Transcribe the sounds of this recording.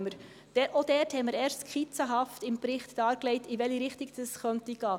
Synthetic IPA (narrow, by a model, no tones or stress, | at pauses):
məɾ̥ | ɛʔodɛːɾthɛməɾɛːɾstkʰχit͡səɦɑftɪmpɾɪχtd̥ɑːɾklɛɪtiʋɛliɾɪχtiɡd̥ɑsχœntiɡ̥ɑː